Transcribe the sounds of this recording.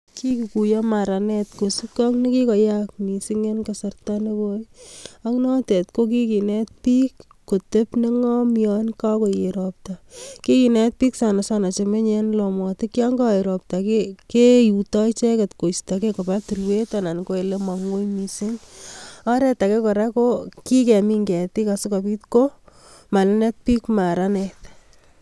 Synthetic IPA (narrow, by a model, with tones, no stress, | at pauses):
ki˦ki˨ku˨jɔma˨ɾa˨netkosi˦kɔ˦ŋne˦ki˦kɔ˨jak̚mi˨siŋe˦nkasa˨rtane˦ko˦ja˦ŋnɔ˦te˨tko˦k̬i˦ki˨net̚pi˦kː | o˨te˦pne˦ŋɔ˦mjɔnka˦ko˨jeɾop̚taki˦kinet̚pi˦ksa˨nasana˨t͡ʃeme˦ɲenlɔ˨mɔ˨tɪ˦kja˦ŋɡa˦e˨ɾop̚takekejutɔ˦jt͡ʃe˦ke˨tko˨stakeko˨pa˦tu˨rwe˦tana˨nko˦e˨le˦ma˨ŋo˦jmisi˦ŋ | a˦ɾɛ˦ta˨ke˦kɔ˨ɾa˦koki˦kɛ˨mi˦ŋɡɛ˨ti˦ka˨sɪka˨pi˦tko | ma˨lɛne˦t̚pi˦kmaɾanet